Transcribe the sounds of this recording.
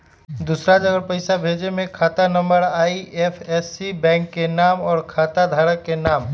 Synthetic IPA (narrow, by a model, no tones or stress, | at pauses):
d̪usɾad͡ʒəɡəɾpəɪsabʱeːd͡ʒemẽkʰaːt̪anə̃mbəɾaːiepʰɛːsibɛ̃ːŋkːenaːmɔːɾkʰaːt̪ad̪ʱaːɾəkːenaːm